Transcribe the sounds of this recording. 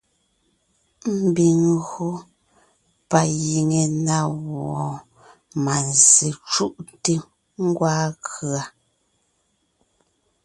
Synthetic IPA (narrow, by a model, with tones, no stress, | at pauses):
m̩˦˨bi˨ŋɣu˦ | pa˨ji˨ŋe˨na˦˨wɔ˨ | ma˨nzi˨t͡ʃu˦ʔte˦ | ŋ̩˦ɡwaː˦kɰa˨